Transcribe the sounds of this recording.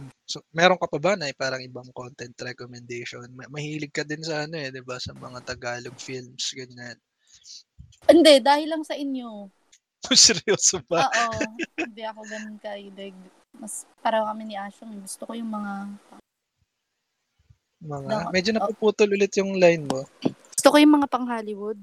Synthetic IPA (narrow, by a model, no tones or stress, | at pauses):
somɛːɾo̞ŋkɐpɐbanɐpaːɾɐŋʔɪbɐŋko̞nt̪ɛnt̪ɾɛkomɛnd̪ejʃo̞nmɐmɐhiːlɪɡ̚kɐd̪ɪnsɐʔɐno̞ɛd̪ɪbasɐmɐŋat̪ɐɡaːloɡfilmsɡɐɲan | ʔɪnd̪ɛd̪aːhɪlːɐŋsɐʔɪnjo | mʊsɾiosʊbɐoːʔɪnd̪ɛʔɐkoɡɐnonkɐʔid̪ɛɡ̚ | mɐspaːɾɐkɐmɪnɪʔaːʃoŋɛɡʊst̪okojʊŋmɐŋapɐ | mɐŋamɛd͡ʒonɐpupuːt̪olʊlɪt̪jʊŋlajnmo̞ɡʊst̪okojʊŋmɐŋapɐŋɦaːlɪwʊd̪̚